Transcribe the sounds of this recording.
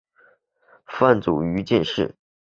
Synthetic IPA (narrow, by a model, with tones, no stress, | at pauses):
fa˥˩nt͡sṵ˨˩y˧˥t͡ɕjɛ˥˧nʂɻ̩˥˩